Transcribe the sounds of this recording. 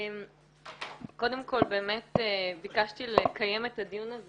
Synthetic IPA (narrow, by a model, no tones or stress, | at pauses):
m | ko̞d̪e̞mko̞lbeːmetbikaʃt̪ilekaje̞met̪ad̪ijunaz